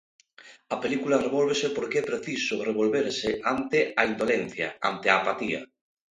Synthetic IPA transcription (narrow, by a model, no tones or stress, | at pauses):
apelikulareβ̞olβ̞esepoɾkeɛpɾeθisʊreβ̞olβeɾseʔant̪eaind̪olẽn̟θja̰a̰nt̪eaːpat̪ia̰